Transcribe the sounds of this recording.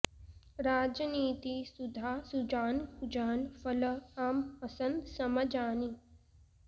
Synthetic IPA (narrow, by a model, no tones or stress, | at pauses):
ɾaːd͡ʒəniːt̪isud̪ʱaːsud͡ʒaːnud͡ʒaːnfɐləaːmpɐsɐ̃nd̪sɐməd͡ʒaːni